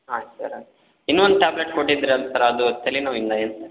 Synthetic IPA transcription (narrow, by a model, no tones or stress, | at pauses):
ɦasɐ̰ɾa | inːuond̪ʈaːbleʈkoʈːid̪ɾeɐlsɐɾɐd̪ut̪ʰːɐlːinaːʋind̪ɐeːnsɐɾ